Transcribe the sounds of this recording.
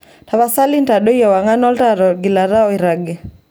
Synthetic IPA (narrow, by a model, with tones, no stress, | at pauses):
ta˨βa˦sa˦li˦nta˨ɗo˦jɔ˨wa˨ŋa˦nɔ˦lta˦ɾɔ˨ɡi˨la˨ɾa˦ɔ˦i˨ɾa˨ɡɛ˨